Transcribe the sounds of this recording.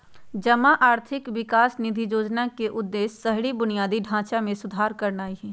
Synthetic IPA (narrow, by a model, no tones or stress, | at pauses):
d͡ʒɐmaʔaːɾt̪ʰɪkwɪkaːsnɪd̪ʱijoːd͡ʒnakeʔʊd̪ːeːsːɐɦɽibʊnijaːd̪iɖʱãːt͡ʃamẽsʊd̪ʱaːɾkɐɾnaːiɦɛː